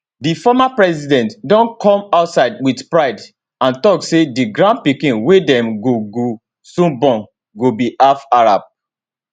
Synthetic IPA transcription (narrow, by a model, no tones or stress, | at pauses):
difɔmapɹɛsidɛ̃ntdɔ̃nkʰɔ̃maʊtsaɪdwidpɹaɪd | ãntɔksediɡɹãn̚pikĩnwedɛ̃mɡoɡo | sũnbɔ̃n | ɡobiʔafaɹab̚